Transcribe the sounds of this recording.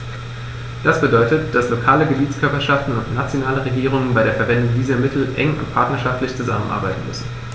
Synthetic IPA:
d̥asb̥ədɔʏtətd̥aslokʰaːləɡəbiːt͡skʰœɐpɐʃaftn̩ʊntnat͡sjonaːləʁeɡiːʁ̞ʊŋənbaɪɾeːɐfɛɐvɛndʊŋdiːzɐmɪtʰl̩ʔɛ̰ŋʊ̰ntpʰaɐtnɐʃaftlɪçt͡suzamən̩ʔa̰ɐba̰ɪtn̩mʏ̰sn̩

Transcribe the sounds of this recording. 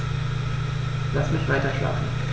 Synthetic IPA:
lasmɪçv̥aɪtɐʃla̰ːfn̩

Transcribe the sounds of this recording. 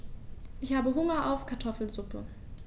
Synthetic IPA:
ʔɪçhaːbəɦʊŋɐʔaʊfkʰaɐtʰɔfl̩zʊpʰə̰

